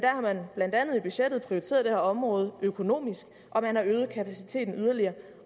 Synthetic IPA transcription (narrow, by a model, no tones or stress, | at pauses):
d̥æɐhɑ̈mænb̥læn̰d̥ænð̞̩ˠib̥yɕed̥ð̩ˠpʰʁioit͡sʰḛːɐðˠd̥ehæ̰ɐɒ̽mʁɔ̽ːð̞̩ˠøkʰo̝no̝̰ːmisɡ̥ | ʔɒ̽mænhɑ̈øːð̞̩ˠkʰæpʰæsi̥t͡sʰe̝̰ːd̥n̩yðˠɐliɐː